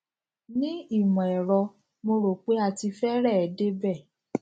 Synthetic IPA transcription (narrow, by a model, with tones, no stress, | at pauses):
nĩ˦i˦˨mɔ̃˨ɛ˨ɾɔ˧ | mo˧ɾo˨k͡pe˨˦a˦˧ti˧fɛ˦ɾɛ˦˨ɛ˨de˦bɛ˦˨